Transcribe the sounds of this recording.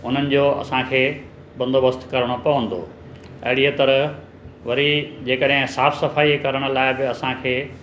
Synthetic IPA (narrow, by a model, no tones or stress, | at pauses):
ʊn̤ənɪ̆d͡ʑoɐ̰sãkʰeː | bɐ̃nd̪oːbəst̪kɐɾəɽ̃opɐʋə̃nd̪o̰ː | ɐ̰ɦɪɽiət̪ɐɾə | ʋɐɾid͡ʑeːkəɗɦɪ̃saːfsɐfaːiekɐɾəɽ̃ʊ̆laːɪbɪɐsãkʰeː